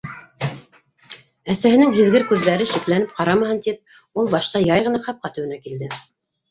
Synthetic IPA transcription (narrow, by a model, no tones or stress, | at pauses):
æsæhɘ̆nɘŋɦɘ̆ðɡɘɾkʉðːæɾɘʃĭklænɘp̚qɑɾɑmɤ̆hɤnt̪ip̚ | ulˠbɑʃt̪ɑjɑjʁɤ̆nɑqɑp̚qɑt̪ɘ̆wɘ̆nækild̪ɘ